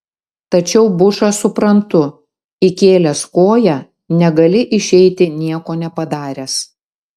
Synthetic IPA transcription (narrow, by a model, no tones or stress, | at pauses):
t̪ɐt͡ʃʲɛʊbʊʃɑsʊpɾɐnt̪ʊ | ɪkʲeːlʲɛskoːjæ | nʲɛɡɐlʲɪʔɪʃʲɛɪt̪ʲɪnʲiɛkoːnʲɛpɐd̪ɑːɾʲes